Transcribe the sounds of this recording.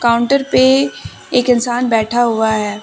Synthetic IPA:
kaːʊ̃ɳʈəɾpe | eːkɪnsaːnbɛːʈʰaɦuaɦɛː

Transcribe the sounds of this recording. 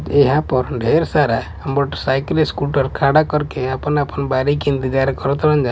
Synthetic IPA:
eɦãpɔɾɖʱeɾsaɾa | əmbɔʈsajkleskuʈɔɾkʰaɽakɔɾkeapɔnapənbaɾikint̪id͡ʒaɾkɔɾɔt̪ɔɽənd͡ʒa

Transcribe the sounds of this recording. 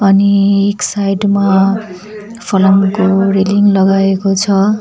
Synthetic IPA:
ʌnieksajɖma | pʰʌlʌmkoreliŋlʌɡaekot͡sʰʌ

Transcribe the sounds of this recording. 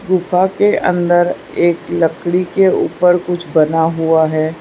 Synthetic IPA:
ɡʊfakeʔə̰̃nd̪əɾ | eːklɐkɽikeṵːpəɾkʊt͡ʃʰbɐnaɦuaɦɛː

